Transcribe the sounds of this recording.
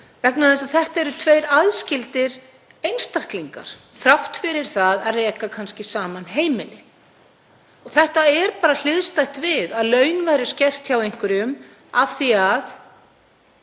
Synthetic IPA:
vɛknaðɛsaðθɛht̪aɛɾʏt̪ʰvejɾaðscɪlt̪ɪɾ | ejnst̪ahkliŋka̰ɾ̥ | θɾawht̪fɪɾɪɾ̥θaðaðreːkakʰanscɪsaːmanɦeːjmɪlɪ | ɔɣθɛht̪aɛɾpaːɾal̥ɪðst̪ajht̪vɪðaðlœːɥnvajɾɪscɛr̥t̪çawejŋ̥kvʏɾʏm | av̥θiað

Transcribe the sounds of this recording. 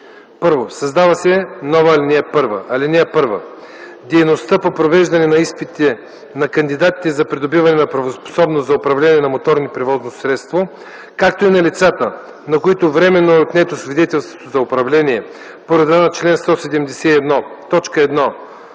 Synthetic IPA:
pɤɾvosɐzd̪avɐsɛnɔvɐːlʲinʲɛɛpɤɾvəʔɐlʲinɛɛpɤɾvə̰ | d̪ɛjnost̪əpopɾovɛʒd̪ɐnɛnɐispit̪ɛ | nɐkɐnd̪id̪at̪i̥t̪ɛzɐpɾid̪obivɐnɛnɐpɾɐvospo̥sɔbnoszɐopɾɐvlɛniɛnɐmot̪ɔɾnipɾɛvɔznosɾɛt̪st̪vo | kak̚t̪oinɐlit̪sat̪ə | nɐkoit̪ovɾɛmɛnːoɛot̪nɛt̪osvid̪ɛt̪ɛlˠst̪vo̥t̪ozɐopɾɐvlɛnʲiɛ | poɾɛd̪vanɐt͡ʃlɛnst̪ɔsɛd̪ɛmd̪ɛsɛiɛd̪nɔt̪ɔt͡ʃkəɛd̪nɔ

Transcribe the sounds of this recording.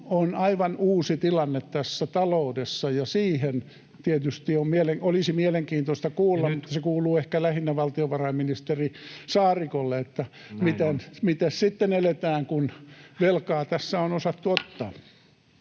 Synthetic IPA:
onɑiʋɑnuːsit̪ilɑnːet̪tæsːæt̪ɑloudesːɑjɑsiːhen | t̪iet̪yst̪iommieleŋolisimieleŋkiːnt̪ost̪ɑkuːlːɑmmut̪ːɑsekuːluːehkælæhinːæʋɑlt̪ioʋɑrɑimminist̪erisɑːrikolːeet̪ːæ | mit̪enmit̪æssit̪ːenelet̪æːŋkunʋelkɑːt̪æsːæonosɑt̪ːuot̪ːɑː

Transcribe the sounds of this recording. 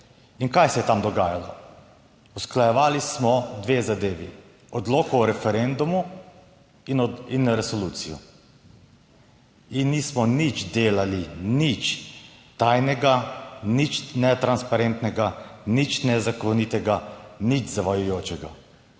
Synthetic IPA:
inkajsɛjɛt̪amd̪ɔɡaːjalɔ̰ | usklajɛʋaːlismɔd̪ʋeːzad̪eːʋḭ | ɔd̪loːkɔɔɾɛfɛɾɛnd̪umu | inɾɛsɔluːt̪sijɔ̰ | inːismɔnit͡ʃd̪eːlalinit͡ʃt̪ajnɛɡanit͡ʃnɛt̪ɾanspaɾent̪nɛɡanit͡ʃnɛzakɔnit̪ɛɡanit͡ʃzaʋajujoːt͡ʃɛɡa

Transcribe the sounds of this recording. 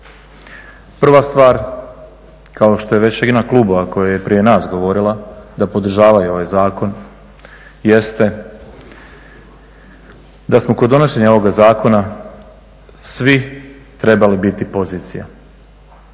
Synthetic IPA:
pr̩ʋast̪ʋaːɾ | kaoʃt̪o̞je̞ʋe̞t͡ɕjeɡ̪inaklˠuːbo̞ʋako̞jaje̞pɾije̞naːsɡo̞ʋo̞ɾilˠad̪apo̞d̪r̩ʒaːʋajuo̞ʋajzaːko̞n | je̞st̪e | d̪asmokod̪ːo̞noʃe̞ɲao̞ʋoɡazaːko̞na | sʋi | t̪ɾe̞balibit̪ipo̞ziːt̪sija̰

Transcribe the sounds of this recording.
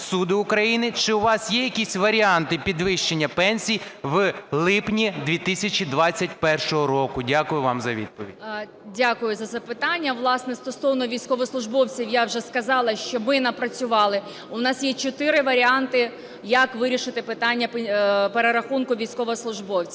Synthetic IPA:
sud̪ɪʊkɾɐjinɪt͡ʃɪʊʋɑsjɛjɐkʲisʲʋɐɾʲiɑnt̪ɪpʲid̪ʋɪʃt͡ʃenʲːɐpɛnʲsʲijʋlˠɪpnʲid̪ʲʋʲit̪ɪsʲɐt͡ʃʲid̪ʋɑt͡st͡sʲːɐt̚ʲpɛrʃɔɦɔɾɔkʊdʲakʊjʊʋɑ̰mzɐʋʲḭd̪̚pɔʋʲḭdʲ | dʲakʊjʊzɐzɐpɪt̪ɑnʲːɐʋlˠɑsnɛst̪ɔsɔwnɔʋʲijsʲkɔʋɔslˠʊʒbɔwt͡sʲiwjawʒɛskɐzɑlˠɐʃt͡ʃɔmɪnɐpɾɐt͡sʲʊʋɑlˠɪ | ʊnɑsjɛt͡ʃɔt̪ɪɾɪʋɐɾʲiɑnt̪ɪ | jɐkʋɪɾʲiʃɪt̪ɪpɪt̪ɑnʲːɐppeɾeɾɐxunkʊʋʲijsʲkɔʋɐslˠʊʒbɔwt͡sʲi

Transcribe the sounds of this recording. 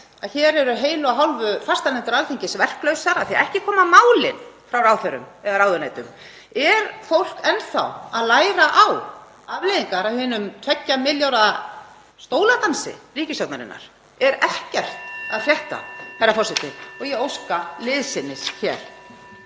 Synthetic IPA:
aðçɛːɾɛɾʏɦeːjlʏaɦawlvʏfast̪anɛnt̪ʏɾalθiɲcɪsvɛr̥klœɥsaɾaðθia̰ɾɛhcɪkʰɔːmamaːwlɪnfɾawrawθœɾʏ̰mɛðaɾawðʏnaːjt̪ʏm | ɛɾfowl̥kɛnθa̰waðlaːjɾaʔaw | avleːjðiŋkaɾawhʏnʏmt̪ʰvɛcːamɪljawɾa | st̪oːwlat̪ansɪ̰riːcɪsjawt̪naɾɪ̰nːa̰ɾ̥ | ɛɾɛhcɛr̥t̪aðfrjɛht̪a̰haɾafɔr̥sɛht̪ɪɔɣjɛowskalɪðsɪnːɪsçɛːɾ̥

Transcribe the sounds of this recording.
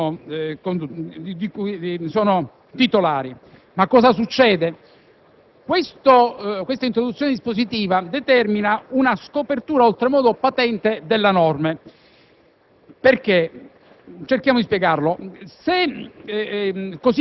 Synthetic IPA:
kond̪ikuisɔːno | t̪it̪olaːɾi | makːɔːzas̬ut͡ʃːɛːd̪e | kwest̪okwest̪aint̪ɾod̪ut̪sːjoːned̪ispozit̪iːvad̪et̪ɛrminaunaskopert̪uːɾaolt̪ɾemɔːd̪opat̪ɛnt̪ed̪elːanɔrme | perke | t͡ʃerk̟jamod̪ispjɛɡarlose | kːos

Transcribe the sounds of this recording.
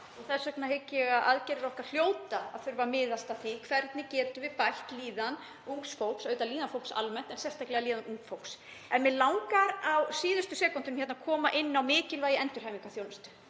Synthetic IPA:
ɔθɛsœknaɦejcːɛɣaðʔaðcɛɾɪɾɔhkar̥l̥joːwt̪aaðθʏɾvamɪːðast̪aθikʰvɛɾt̪nɪcɛːt̪ʏvɪpajl̥t̪liːðan | uŋksfowksœːɥt̪aliːðanfowksa̰lmɛn̥t̪ɛnsɛst̪ʰaklɛɣaliːðanuŋkfowks | ɛnmɛðlawŋkaɾawsiːðʏst̪ʏsɛːkɔnt̪ʏnmçɛt̪nakʰɔːmaʔɪnːawmɪːcɪlvaːjɪɛnt̪ʏɾ̥hajmiŋkaθjownʏst̪ʏ̥

